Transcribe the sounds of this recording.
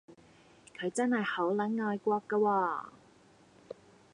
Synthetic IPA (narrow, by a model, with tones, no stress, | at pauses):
kʰɵ˨˧ɥt͡sɐ˥nhɐ˨jho˨˥wlɐ˨˥nŋɔː˧jkʷɔː˧kːɐ˧waː˧